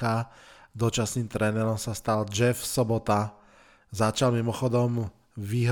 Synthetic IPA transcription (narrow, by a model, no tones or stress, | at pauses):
ad̪ɔt͡ʃasniːmt̪ɾɛnɛɾɔmsast̪ald͡ʒɛfsɔbɔt̪a | zat͡ʃalmimɔxɔd̪ɔm | ʋiɦɾ